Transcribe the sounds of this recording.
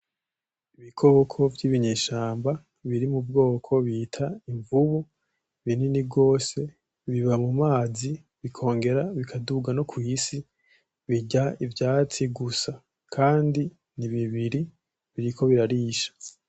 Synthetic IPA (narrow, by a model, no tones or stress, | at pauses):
iβikʰokʰo̞vɟiːβiɲeːʃaːmba | βiɾimub̚ɡo̞ːkʰo̞βiːtʰaiɱvuβu | βininibɡo̞ːse̞ | βiβamumaːzi | βikʰo̞ːŋɡe̞ɾaβikʰaduɡano̞kwisi | βiɟaivjaːt͡siɡusa | kʰaːndi | niβiβiɾi | βiɾikʰo̞βiɾaɾiːʃḁ